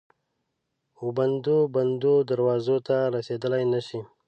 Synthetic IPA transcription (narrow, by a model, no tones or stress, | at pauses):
oband̪oband̪od̪aɾwɑzot̪aɾased̪əlajnaʃi